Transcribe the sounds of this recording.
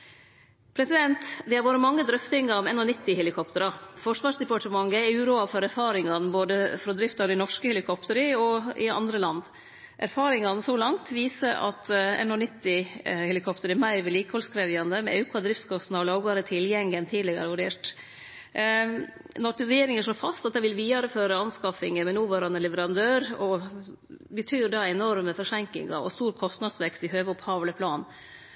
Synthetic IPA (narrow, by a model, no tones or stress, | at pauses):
pʰɾɛsɪd̪ɛnt̪d̪ɛhɑɾʋoːɾəmɑŋːəd̪ɾœft̪ɪŋɑɾmɛnɔnɪt̪ːɪhɛlɪkʰɔpt̪əɾɑfɔʂʋɑːʂd̪ɛpɑʈəmɑŋəɛʉːɾuːɑfɔɾæɾfɑːɾɪŋɑnboːd̪əfɾɔd̪ɾɪft̪ɑd̪ɛɪnɔʂkəhɛlɪkʰɔpt̪əɾɪɔɪɑ̰nd̪ɾəlɑnd̪ | ʔæ̰ɾfɑːɾɪŋɑnsɔlɑŋt̪ʋiːsəʔɑ̰t̪ɛ̰nɔnɪt̪ːɪhɛlɪkʰɔpt̪əɾɪmæɪɾʋɪliːkəhɔlskɾɛʋɪɑnd̪əmɛ̰ʉkʰɑd̪ɾɪft̪skʰɔst̪n̩ɑʋlɑʊɡɑɾət̪ʰɪljɛŋənt̪ʰiːd̪lɪɡəæ̰ɾʋʉɖeːʈ | nɔɾɛjeːɾɪŋəʂɭoːfɑst̪ɑt̪d̪ɛʋɪlʋiːɑɾəføːɾəɑnskɑfɪŋəmɛnuːʋøːɾɑnəlɛʋəɾɑnd̪øːɾɔ | bət̪ʰyːɖɑɛnɔɾməfɔʂɛŋkɪ̰ŋɑ̰ɔ̰st̪uːɾkʰɔst̪nɑd̪sʋɛkst̪ɪhøːʋəʊphɑːʋləpʰlɑːn